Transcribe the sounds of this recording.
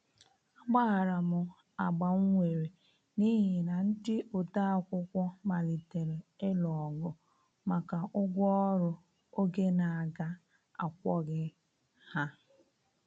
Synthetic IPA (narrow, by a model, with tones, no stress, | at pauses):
a˦ɡ͡ba˦˨ɾa˨mʊ˨ | a˨ɡ͡ba˨ŋ̩˦ŋʷe˨ɾe˨ | ni˦ɦɪ˨na˨n̩˦dɪ˦ʊ˨ta˦a˦kʷʊ˦kʷɔ˦ma˨li˨te˨ɾe˨e˦lɔ˨ɡʊ˨ | ma˨ka˨ʔʊ˦ɡʷɔ˦ɔ˦ɾʊ˨ | o˦ɡe˦na˨a˨ɡa˦ | a̰˨kʷɔ˦ɡɪ˦ | ha˦